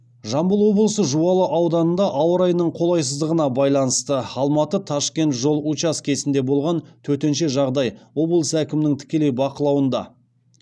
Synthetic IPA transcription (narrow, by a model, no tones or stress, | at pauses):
ʒɑmbəlˠwo̞blˠəsəʒuɑlˠəʔɑwd̪ɑnənd̪ɑʔɑwəɾɑjnəɴqʰo̞lˠɑjsəzd̪əʁənɑbɑjlˠɑnəst̪əɑlˠmɑt̪ət̪ʰɑʃkʲe̞nt̪ʒo̞lˠut͡ʃɑskʲʰe̞sɪnd̪e̞bo̞lˠʁɑnt̪ʰɵɾt̪e̞nʃe̞ʒɑʁd̪ɑjwo̞blˠəsəækʲɪmɪnɪŋt̪ʰɪ̥kʲe̞le̞jbɑqəlˠɑwənd̪ɑ̰